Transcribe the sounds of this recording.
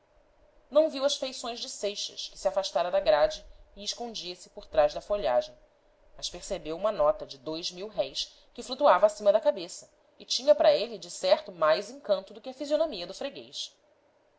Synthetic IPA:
nɐ̃w̃viwɐʃfejsõj̃zd͡ʒɪsejʃɐ̰ʃkɪ̥sɪafaʃt̪aɾɐd̪ɐɡɾad͡ʒɪːʃkõnd͡ʒiɐsɪ̥poɾt̪ɾajzd̪ɐfoʎa̰ʒẽj̃ | mɐʃpeɾsebewũmɐnɔt̪ɐd͡ʒɪd̪ojzmiwɦɛjs | kɪflut̪uavɐːsĩmɐd̪ɐkabesɐ | ɪt͡ʃĩɲɐpɾɐelɪd͡ʒɪsɛɾt̪ʊmajzĩŋkɐ̃nt̪ʊd̪ʊkɪɐfizionomiɐd̪ʊfɾeɡḛjʃ

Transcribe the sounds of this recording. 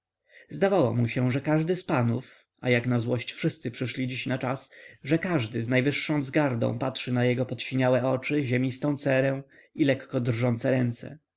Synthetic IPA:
zd̪avawɔ̰muɕɛʐɛkaʐd̪ɘspanuf | ajaknazwɔɕt͡ɕfʂɘst̪sɘpʂɘʂlʲid͡ʑiɕnat͡ʂasʐɛkaʐd̪ɘznajvɘʂːɔ̃w̃vzɡaɾd̪ɔ̰̃w̃patʂɘnajɛɡɔpɔt̪ɕiɲawɛɔt͡ʂɘʑɛmʲist̪ɔ̃w̃t̪sɛɾɛ̃ | ilɛkːɔd̪rʐɔnt̪sɛɾɛnt̪sɛ̰

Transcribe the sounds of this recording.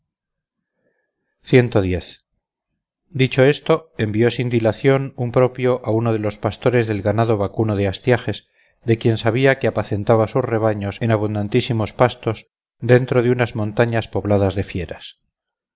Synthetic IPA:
θje̞nt̪o̞ðje̞θ | d̪it͡ʃo̞e̞st̪o̞embio̞sind̪ilaθjo̞numpɾo̞pjo̞ʔaunoð̞e̞lo̞spast̪o̞ɾe̞zðe̞lɣanaðo̞βakuno̞ð̞east̪jaχe̞z | d̪e̞kje̞nsaβ̞iakeapaθe̞nt̪aβasusre̞β̞aɲo̞se̞naβ̞und̪ant̪isimo̞spast̪o̞z | d̪e̞nt̪ɾoðeunazmõ̞nt̪aɲaspo̞βlaðazðe̞fje̞ɾas

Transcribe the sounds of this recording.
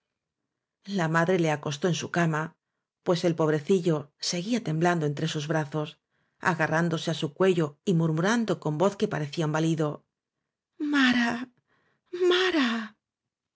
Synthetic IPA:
lamaðɾe̞le̞ako̞st̪o̞ensukama | pwe̞se̞lpo̞β̞ɾe̞θiʎo̞se̞ɣiat̪e̞mbland̪oe̞nt̪ɾe̞suzβɾaθo̞s | a̰ɣarʔand̪o̞seasukwe̞ʝo̞imuɾmuɾand̪o̞ko̞mbo̞θke̞paɾe̞θiambaliðo̞ | maɾa | maɾa

